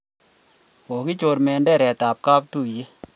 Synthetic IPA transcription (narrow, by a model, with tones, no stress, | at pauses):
ko˨ki˦t͡ʃo˨ɾmɛ˨ndɛ˦˨ɾɛ˨ta˨p̚ka˦p̚tu˦˨je˦